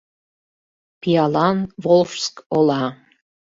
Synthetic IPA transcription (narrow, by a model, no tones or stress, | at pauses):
pijɑlˠɑnvolfskolˠɑ